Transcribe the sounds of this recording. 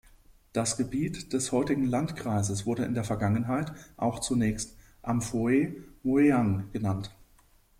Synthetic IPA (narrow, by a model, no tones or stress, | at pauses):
d̥asɡ̥əbiːtd̥ɛshɔʏtɪɡŋ̩lantkʁ̥aɪzəsv̥ʊɐɾəɪndeːɐfɛɐɡaŋənɦaɪtʔa̰ʊxt͡sunɛːçst | ʔamfoemoeaŋɡ̥ənant